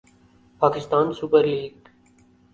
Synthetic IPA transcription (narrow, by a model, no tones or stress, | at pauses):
paːkɪst̪aːnsupəɾliːɡ̚